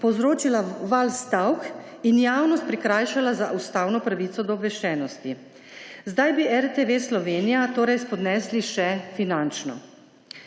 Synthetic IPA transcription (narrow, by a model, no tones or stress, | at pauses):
pɔwzɾoːt͡ʃilaʋalst̪awk | injaːwnɔst̪pɾikɾaːjʃalazaʔust̪awnɔpɾaʋiːt̪sɔd̪ɔːbʋɛʃt͡ʃɛːnɔst̪i | zd̪ajbiʔɛɾt̪eʋeslɔʋeːnijat̪oːɾɛjspɔd̪nɛːsliʃɛfinant͡ʃnɔ̰